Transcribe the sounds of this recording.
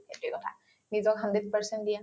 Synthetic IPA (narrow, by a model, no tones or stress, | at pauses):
etukɔt̪ʰa̰ | nizɔkɦənd̪et̪̚pəɹsənd̪ija